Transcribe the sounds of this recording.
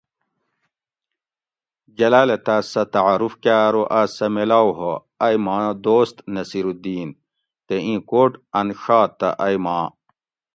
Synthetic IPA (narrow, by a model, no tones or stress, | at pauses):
d͡ʑɐlaːlɐt̪asɐt̪ɐʕaɾufkaːɾoʔasɐmelaːwɦo | ɐjmaːd̪oːst̪nɐsiɾud̪iːn | t̪eĩːkoːʈɐnʂaːt̪ːɐ̰ʔɐjmãː